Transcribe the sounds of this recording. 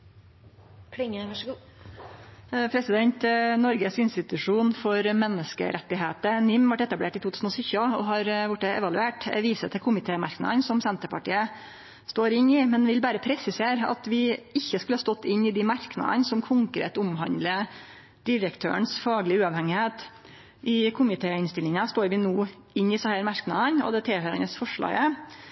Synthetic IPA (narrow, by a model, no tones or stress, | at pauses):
pʰɾɛsɪd̪ɛnt̪nɔɾɡəsɪnst̪ɪt̪ʉʂuːnfɔɾmɛnːəskə̰ɾɛt̪ːɪɦeːt̪ənɪmʋɑʈːɛt̪ɑbleːʈɪt̪ʰuːt̪ʉːsnɔsʏçəɔɦɑɾʋʊʈ̪ːəɛ̰ʋɑlʉeːʈɛ̰ʋiːsət̪ʰɪlkʰʊmɪt̪ʰeːmɑ̰ɾknɑ̰d̪ənsɔmsɛnt̪əpʰɑʈiːə | st̪oːɾɪnɪmɛnʋɪlbæːɾəpʰɾɛsɪseːɾɑ̰t̪ʋɪɪçːəskʉləhɑst̪ɔt̪ːɪnːɪd̪ɪmɑɾknɑ̰ə̰nsɔmkʰʊŋkɾḛːt̪ʊmɦɑ̰nd̪lə | d̪̥ɪɾəkt̪ʰø̰ːənsfɑːɡlɪəʉːɑʋhɛŋːɪheːt̪ | ʔɪkʰʊmɪt̪ʰeːɪnst̪ɪlɪŋəst̪oːɾʋɪnoːɪnːɪsɑhæːɾmɑɾknɑd̪ənɔ̰d̪ɛt̪ʰɪlhøːɾə̰nəsfɔʂɭɑ̰ːɡə